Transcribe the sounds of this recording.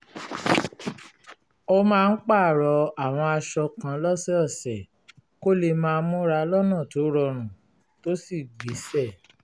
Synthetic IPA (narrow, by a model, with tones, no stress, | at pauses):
o˦mãː˦˧n̩˦k͡pa˦˨ɾɔ˧a˨w̃ɔ̃˧a˧ʃɔ˧kã˧˦lɔ˦sɛ˦ɔ˦˨sɛ˨ | ko˦le˧mãː˧˦mũ˦ɾa˧lɔ˦nã˦˨to˨˦ɾɔ˧ɾ̃ũ˨ | to˦si˦˨ɡ͡bi˨˦sɛ˦˨